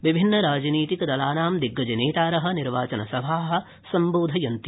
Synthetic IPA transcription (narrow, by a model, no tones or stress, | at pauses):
ʋibʱinːɐɾaːd͡ʒniːt̪ikɐd̪ɐlaːnaːmd̪iɡːɐd͡ʒɐneːt̪aːɾɐɦɐ̆niɾʋaːt͡ʃɐnɐsɐbʱaːɦɐ̆ | sɐmboːd̪ʱɐjɐnt̪